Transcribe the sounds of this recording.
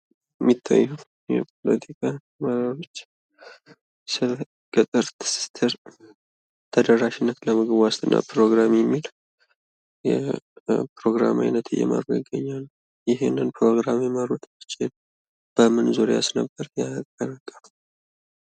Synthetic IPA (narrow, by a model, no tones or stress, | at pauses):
ɛmːit̪ʰːa̰jːuw | jɛ̰pʰo̞lət̪ʰikʰa | məɾaɾo̞t͡ʃː | sɨl | kʼɨt̪ʼɨɾt̪ʰsi̥t̪ʰeɾ | t̪ʰəd̪ərːaʃɪnːət̪ləmɨɡβast̪ʰʼɨnːa̰pɾo̞ɡɾamjɛmːil | jɛ̰ | pɾo̞ɡɾa̰ma̰jnət̪ɨ̰jɛ̰ma̰ɾojɪɡəɲːal | jɪɦenːɨnpʰɾo̞ɡɾamjɛməɾot̪mɨt͡ʃʰɪl | b̥əmɨnzoɾejasnəbːəɾjakʼːəɾakʼːəl